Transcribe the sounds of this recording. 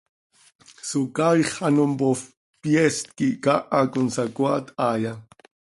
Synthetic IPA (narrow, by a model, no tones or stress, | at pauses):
sukawiχɑnompof | pjɛst̪̚kikaʔakʊnsakwat̪aja